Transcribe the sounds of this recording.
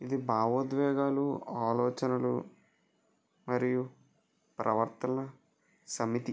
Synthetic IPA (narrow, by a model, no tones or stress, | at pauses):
id̪ibʱaːʋoːd̪ʋɛːɡaːluaːlɔːt͡ʃɐnɐlṵ | mɐɾiju | pɾɐʋɐɾt̪ɐnɐ | sɐmit̪i